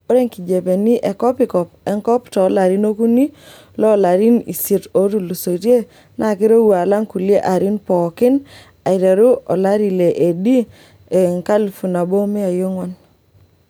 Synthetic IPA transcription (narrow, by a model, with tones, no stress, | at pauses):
o˦ɾe˦ŋki˨d͡ʒe˨pe˨ni˦ʔɛ˨kɔ˦pɪ˨˦kɔ˨p̚ɛ˦ŋkɔ˦ptɔ˨˦la˨ɾi˦no˦ku˦ni˦ | lɔ˦˨la˨ɾi˦nḭ˨si˨to˦tu˦˨lu˨so˨tje˦ | nʔa˨kɪ˦ɾo˦wu˨a˨la˦ŋku˨lɪ˦e˦ʔa˨ɾɪ˦npɔ˨kɪ˦n | a˨ɪ˨ɾe˨ɾu˦ʔɔ˨la˦ɾi˨le˨ʔe˨di˦ | e˨ŋka˦lfu˨na˨bo˦mɛ˦a˨jo˦ŋwɔ˦n